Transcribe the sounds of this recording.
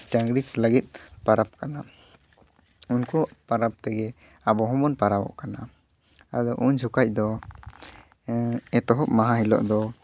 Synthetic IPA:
d͡ʒaŋɡɾikɔlaɡit̪̚ˀpaɾap̚kana | unkɔpaɾap̚t̪ɛɡɛ | abɔɦɔmɔnpaɾabɔ̰ʔkana | a̰d̪ɔʔund͡ʒʱukac̚d̪ɔ | ɛt̪ɔɦɔʔ̚maɦãɦilɔ̰ʔd̪ɔ

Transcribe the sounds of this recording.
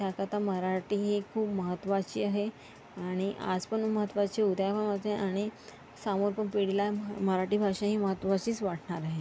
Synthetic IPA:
t̪jakat̪aməɾaʈiːɦekʰuːpməɦət̪ːʋat͡ɕiːaɦe | aɽ̃iʔa̰d͡zpəɳməɦət̪ːʋat͡ɕiːud̪japəɳʋat̪eʔaɽ̃i | samoɾpəɳpeɽilaməɾaʈiːbʱaʂãɦiməɦət̪ːʋat͡ɕiːt͡sʋaʈɳaɾaɦe

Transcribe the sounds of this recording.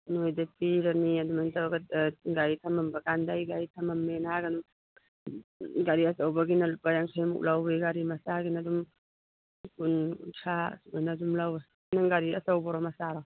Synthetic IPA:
nojdapiɾaniadumantaɡɡajtʰɐmambakandajɡajtʰɐmamːenaɡanu | ɡaɾiɐsawbɐɡinalupːajaŋsʰajmṵk̚lawbiɡaɾimasaɡinadum | kunsʰasɡanadumlawe | naŋɡaɾiɐsawbɔɾɔmasaɾaw

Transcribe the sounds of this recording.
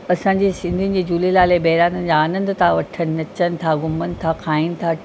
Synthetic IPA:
ɐsãːɲd͡ʑeːsɪ̃nd̪ʱiənɪ̆d͡ʑeːd͡ʑuːlilaːlebɐɦɾaːnənɪ̆d͡ʑaaːnə̃nd̪t̪ʰaʋɐʈʰənɪ̆nɐt͡ɕənɪ̆t̪ʰaɡʊmənɪ̆t̪ʰakʰaːinɪ̆t̪ʰa

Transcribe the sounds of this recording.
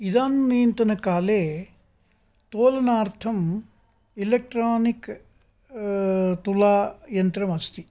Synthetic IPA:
id̪aːnmiːnt̪ɐnɐkaːleː | t̪oːlɐnaːɾt̪ʰɐm | ilek̚ʈɾaːnik | t̪ulaːjɐnt̪ɾɐmɐst̪i

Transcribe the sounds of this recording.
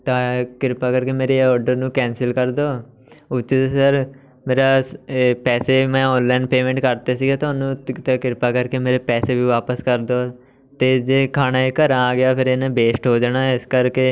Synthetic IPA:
t̪ãːkɪɾpaːkəɾkeːmeːɾeːɔːɾɖəɾnũːkɛ̃ːnsɪlkəɾd̪oː | ʊt͡ʃːd̪səɾ | meːɾaːpɛːseːmɛ̃ːɔːnlaːnpeːmɛ̃ːɳʈ̚kəɾt̪eːsiːɡeːt̪oːnũːt̪aːkɪɾpaːkəɾkeːmeːɾeːpɛːseːbiːʋaːpəskəɾd̪oː | t̪eːd͡ʒeːkʰaːnaːeːkəɾãaːɡɪjaːpʰɪɾeːnẽːbeːsʈɦoːd͡ʒaːɽaːɪskəɾkeː

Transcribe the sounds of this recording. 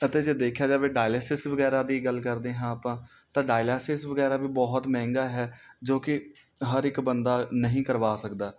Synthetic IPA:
ət̪eːd͡ʒeːd̪eːkʰjaːd͡ʒəːʋeːɖaːjlɛːsɪsʋəɡɛːɾaːd̪iːɡəlkəɾd̪eːɦãːapãː | t̪ãːɖaːjlɛːsɪsʋəɡɛːɾaːbiːbɔːɦt̪mɛ̃ːŋɡaːɦɛːd͡ʒoːkɪ | ɦəɾɪkbənd̪aːnəɦĩːkəɾʋaːsəkd̪aː

